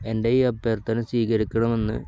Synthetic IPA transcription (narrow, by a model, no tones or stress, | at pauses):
e̞ndeiɐpːeːrt̪ɐnɨsiːkɐɾikʲːɐɳɐme̞nːɨ̰